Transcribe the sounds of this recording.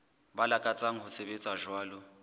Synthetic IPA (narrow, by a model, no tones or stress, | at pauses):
balakʼat͡sʼaŋ̩hʊsebet͡sʼaʒwaːlʊ